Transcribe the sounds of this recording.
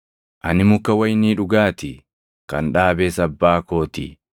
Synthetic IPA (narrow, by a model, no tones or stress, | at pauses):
ʔɐnɪmʊkːɐwɐjniːᶑʊɡaːt̪ɪ | kɐnᶑaːbeːsɐbːaːko̞ːt̪ɪ̰